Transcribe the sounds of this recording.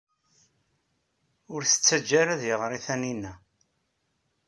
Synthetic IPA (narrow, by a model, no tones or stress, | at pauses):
ʊɾθə̥t͡sːæd͡ʒːaɾæðjəʁɾiθæninːæ